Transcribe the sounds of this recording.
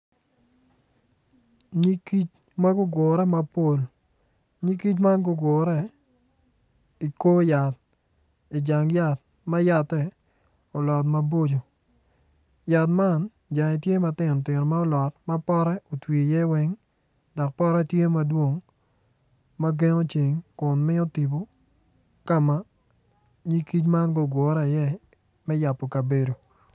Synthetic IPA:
ɲi˦ki˦t͡ʃ | ma˦ɡʊ˦ɡʊ˨ɾɛ˦ma˨˦po˦˨l | ɲi˦ki˦t͡ʃ̬ma˦nɡʊ˦ɡʊ˨ɾɛ˦ | i˨ko˦ja˨t̚ | i˨d͡ʒa˨ŋja˦˨t | ma˦ja˨tɛ˦ | o˨lɔ˨t̬ma˨bo˦d͡ʒo˨ | ja˨t̬ma˦˨n | d͡ʒa˨ŋi˨tje˦ma˨tɪ˦˨nɔ˨tɪ˨ɾma˦ɔ˦lɔ˨t̚ma˦pɔ˦ɾɛ˦o˨twi˨jɛ˦wɛ˦ŋ | dɔ˨k̚pɔ˦ɾɛ˦tje˦ma˦dwo˦ŋ | ma˦ɡe˦ŋo˦t͡ʃi˨ŋkʊ˨nmɪ˦o˦ti˨bo˨ | ka˦ma˦ | ɲi˦ki˦t͡ʃma˦nɡo˦ɡwɔ˨ɾa˨jɛ˦ | mɛ˦ja˨pːo˨ka˨be˨do˨

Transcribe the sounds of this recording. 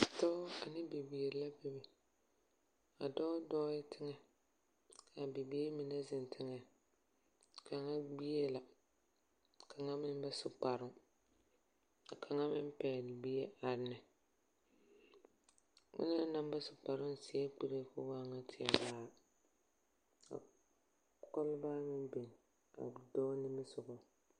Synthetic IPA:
tɔː˦a˨nɪ˦bi˨bi˨e˨ɾla˦bɛ˦bi˨ | a˨dɔː˦dɔː˦jɪ˦tʰɪ˦ŋɛ˦ | ka˨bɪ˨be˦mi˨nɛ˦zɪ˨n˨tʰɪ˦ŋɛ˨ | kʰa˨ŋa˦ɡ͡bi˦e˦la˨ | kʰa˨ŋa˦mɪ˦n˦bɛ˦sʊ˨k͡pa˨ɾʊ˦ŋ | a˨kʰa˨ŋa˦mɪ˦m˦pɛː˨lɡ͡bi˦e˦a˨ɾnɨ˨ | mɪ̰˦nɛ˦na˦m˦ba˦sʊ˨k͡pa˨ɾɪ˦n˦si˨˦ɛ˦k͡pi˨ɾe˦kʊ˦waː˦ŋa˦tʰɪ˨a˨baː˦ | a̰˨ | kɔ˦lbaː˦ŋɪ˦be˨n˨ | a̰˨dɔ˦nɪ˦mɪ˦sʊ˨ɣɔ˨

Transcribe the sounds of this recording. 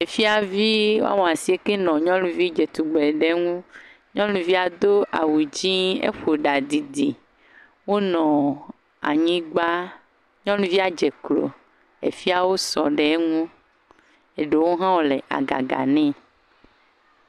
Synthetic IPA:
e˨fi˦a˨vi˦wa̰˦wɔ̃˨a˨si˨e˦ke˦nɔ̃˨ɲɔ̃˦lũ˨vi˦d͡ʒe˨t̪u˨ɡ͡be˨ɖe˦ŋũ˦ | ɲɔ̃˦lũ˨vi˦a˨d̪o˦ʔa̰˨wu˨d͡ʑĩ˦ḛ˦ɸo˨ɖa˨d̪i˨d̪i˨ | wo˦nɔ̃˨ | a̰˨ɲĩ˦ɡ͡ba˦ | ɲɔ̃˦lũ˦vi˦a˨d͡ʒɛ˨klo̰˨ | ḛ˨fi˦a˨wo˦sɔ̰˨ɖe˨˦ŋũ˦ | e˨ɖe˨wo˦ɦã˦wɔ˦le˨ʔa̰˨ɡa̰˨ɡa̰˨nɛ̃˦

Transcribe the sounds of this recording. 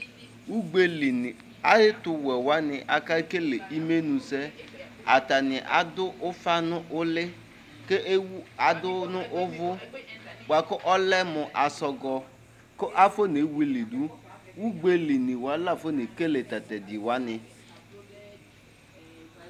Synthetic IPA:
wu˦ɡ͡be˦li˨n˨ | a˦jɪ˦tʊ˨wɛ˨wa˦nɪ˨ʔa˨ka˦ke˦le˨ʔi˦me˦nũ˨se˦ | a̰˨ta˨nɪ˨ʔa̰˨dʊ˦ʔʊ˦fa˦nʊ˦ʔʊ˦lɪ˦ | ke˦wa˨dʊ˦nʊ˦ʔʊ˦vʊ˦ɡ͡ba˨kʊ˦ʔɔ˦lɛ˦mʊ˨ʔa˨sɔ˨ɡɔ˨ | kʊ˦ʔa˦fo˦ne˨˦wi˦li˨dʊ˦wu˦ɡ͡be˦li˨nɪ˨wa˨˦la˦˨fo˦ne˨ke˦le˨ta˨tɛ˨dɪ˨wa˨˦nɪ˨

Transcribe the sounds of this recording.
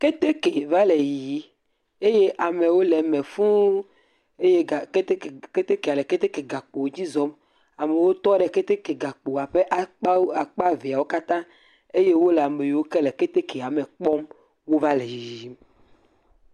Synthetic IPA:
ke˦t̪e˦ke˨va˦le˨ji˨˦ | e˦je˦ʔa˨me˨wo˦lɛ˨me˨fũ˦ | e˦je˦˨ke˦t̪e˦˨ke˦t̪e˦ke˨a˨le˨ke˦t̪e˦ke˨ɡa˨k͡po˨˦d͡ʑi˦zɔ˦m | a˨me˨wo˦t̪ɔ˦ɖɛ˨ke˦t̪e˦ke˨ɡa˨k͡po˨a˨ɸe˦ʔa˨k͡pa˨k͡pa˦ve˨a˨wo˦ka˦t̪ã˦ | e˦je˦wo˦lɛ˨a˨me˨jwo˦ke˦le˨ke˦t̪e˦ke˨a˨me˨k͡pɔ˦m | wo˦va˦le˨ji˨ji˦m

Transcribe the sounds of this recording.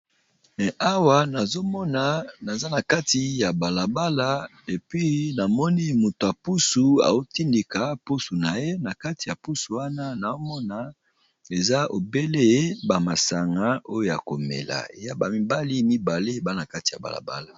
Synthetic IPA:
mɛ˨ʔa˦wa˦na˨zo˦mɔ˦na˨na˨za˦na˨ka˦ti˨ja˨ba˨la˨ba˦la˦ | e˨pɥi˦na˨mɔ˦ni˦mu˨to˨a˨pu˦su˨a̰˨o˦ti˦ndi˨ka˨pu˦su˨na˨je˦na˨ka˦ti˨ja˨pu˦su˨wa˦na˦na˨o˦mɔ˦na˨ | e˨za˦o˨be˦le˦ba˨ma˨sa˨ŋɡa˦o˦jo˨ja̰˨ko˨mɛ̰˨la̰˨ḛ˨ja˦ba˨mi˨˦ba˦li˦mi˦ba˨le˦˨ba˦na˨ka˦ti̥˨ja̰˨ba̰˨la̰˨ba̰˦la˨

